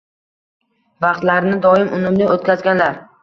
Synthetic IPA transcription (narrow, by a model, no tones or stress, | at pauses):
vɑqt̪laɾnɪd̪ɒɪmʔʊnʊmlɪot̪̚kʲazɡʲanlaɾ